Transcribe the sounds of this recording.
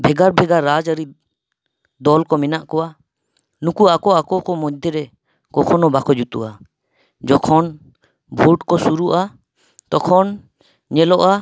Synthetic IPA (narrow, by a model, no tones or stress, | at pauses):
bʱɛɡaɾbʱɛɡaɾːad͡ʒəɾi | d̪ɔlkɔmɛnaʔkɔwa | nukuakɔakɔkɔmɔd͡ʒd̪ʱɛɾɛ | kɔkʰɔnɔbakʰɔd͡ʒut̪ṵʔa | d͡ʒɔkʰɔn | bʱuʈkɔsuɾuʔa | t̪ɔkʰɔn | ɲɛlɔʔa